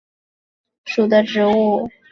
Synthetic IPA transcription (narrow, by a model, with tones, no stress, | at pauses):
ʂu˨˩d̪ə˦ʈ͡ʂɻ̩˧˥u˥˩